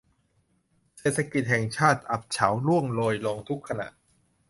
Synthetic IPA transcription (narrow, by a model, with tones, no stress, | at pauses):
seː˨˩t̪̚ʰːa˧ki˨˩t̪̚hɛː˨˩ŋt͡ɕʰaː˥˩t̪̚ʔa˨˩p̚t͡ɕʰa˩˦wlu˥˩əŋloː˧jloː˧ŋt̪ʰu˦˥kʰːa˧na̰˨˩ʔ